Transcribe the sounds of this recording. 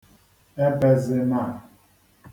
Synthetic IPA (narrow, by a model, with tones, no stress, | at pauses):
e˦be˦zɪ˦ma˦˨